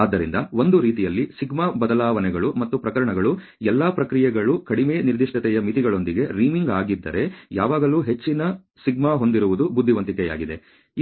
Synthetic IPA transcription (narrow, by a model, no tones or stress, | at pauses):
aːd̪ːɐɾind̪ɐo̞nd̪uɾiːt̪̬ijɐlːisiɡmabɐd̪ɐlaːʋɐnɛɡɐɭumɐt̪ːupɾɐkɐɾɐɳɐɡɐɭu | ɛlːapɾɐkɾijɛɡɐɭukɐɽimeːniɾd̪iʂʈɐt̪ɛjɐmit̪iɡɐɭo̞nd̪iɡe̞ɾiːmiŋɡaːɡid̪ːɐ̰ɾe̞ja̰ːʋaːɡɐluːɦe̞t͡ʃːinɐ | siɡmaɦo̞nd̪iɾuʋud̪ubud̪ʱːiʋɐnt̪̬ikɛja̰ːɡid̪e̞